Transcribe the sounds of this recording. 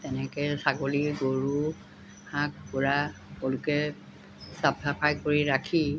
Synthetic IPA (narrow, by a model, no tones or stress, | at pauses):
tɛnɛkɛsaɡoliɹɡoɹu | hãkpuɹakolʊkɛ | sapʰapʰajkoɹiɹakʰi